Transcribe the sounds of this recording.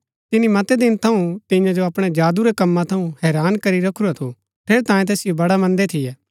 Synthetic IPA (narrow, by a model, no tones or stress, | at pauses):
t̪ɪnimɐt̪ɛd̪ɪnt̪ʰɐũt̪ɪ̃jãd͡ʒoɐpɽ̃ed͡ʒaːd̪uɾekɐmːãt̪ʰɐũhɛːɾaːnkɐɾiɾɐkʰuɾat̪ʰo | pʰeːɾt̪aːjẽt̪eːsɪjobɐɽamɐ̃nd̪et̪ʰɪjɛː